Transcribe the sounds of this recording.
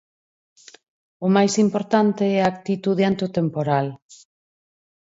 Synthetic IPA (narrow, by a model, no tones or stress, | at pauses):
ʊmajsimpoɾt̪ant̪eɛak̚t̪it̪uð̞eant̪ot̪empoɾal